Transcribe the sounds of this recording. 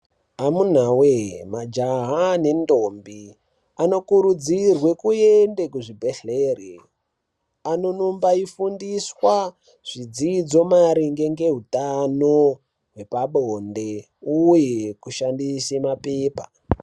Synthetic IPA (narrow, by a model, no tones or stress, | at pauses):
amun̤awemad͡ʒaɦane̞ndombi | ano̞kuɾud͡zirwe̞kuendekuʐibʱeɬeːre | ano̞nombaifundiswa | ʐ̥id͡zid͡zo̞maɾiŋɡe̞ŋɡe̞ɦutano | ɦwe̞paɓonde | ujekuʃandisemapeːpa̰